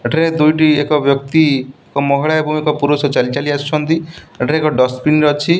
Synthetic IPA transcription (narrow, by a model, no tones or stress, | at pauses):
eʈʰaɾed̪ujʈiekɔbjɔk̚t̪iekɔmɔɦiɭaebɔ̃ŋekɔpuɾosɔt͡ʃalt͡ʃaliast͡ʃʰɔnt̪ieʈʰaɾeekɔɖɔspinɾɔt͡ʃʰi